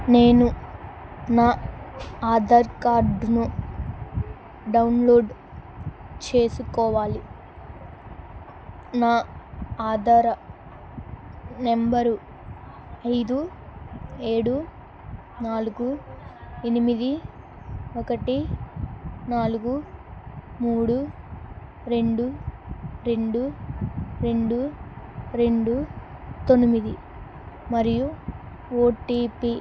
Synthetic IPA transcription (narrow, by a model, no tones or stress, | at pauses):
ne̞ːnu | naː | aːd̪aːɾkaːɾɖnu | ɖɐwnlo̞ːɖ | t͡ʃe̞ːsukɔːʋaːli | naːaːd̪aːɾɐ | nembɐɾu | ɐjd̪u | e̞ːɽu | naːluɡu | enimid̪i | okɐʈi | naːluɡu | muːɽu | ɾe̞ɳɖu | ɾe̞ɳɖu | ɾe̞ɳɖu | ɾe̞ɳɖut̪o̞nimid̪i | mɐɾiju | oːʈiːpi